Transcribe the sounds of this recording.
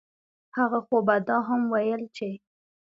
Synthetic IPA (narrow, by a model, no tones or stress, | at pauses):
haɣaxobad̪ɑɦamwajəlt͡ʃe